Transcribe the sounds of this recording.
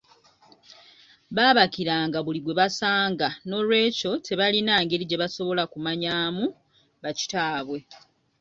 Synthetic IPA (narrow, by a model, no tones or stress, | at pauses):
βaːβakiɾaːŋɡaβuliβwe̞βasaːŋɡano̞lwe̞ːco̞te̞βalinaːŋɡe̞ɾiɟe̞βaso̞βo̞lakumaɲaːmu | βaci̥taːβwe̞